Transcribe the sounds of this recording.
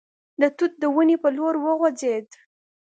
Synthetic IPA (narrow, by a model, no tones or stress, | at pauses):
d̪ət̪ut̪̚d̪əwunipəloɾwəɣod͡zed̪